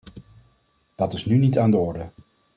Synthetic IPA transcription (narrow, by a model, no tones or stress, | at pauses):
dɑtɪsnynitaːndəɔɹdə